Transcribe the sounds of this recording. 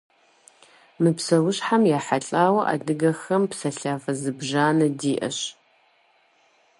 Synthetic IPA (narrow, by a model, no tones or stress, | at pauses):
mɨpsɐwʊɕħamjaːħaɬʼaːwɐʔa̰dɨɡɐxɐmpsɐɬaːfɐzɨbʒaːnɐdiːʔɐ̰ɕ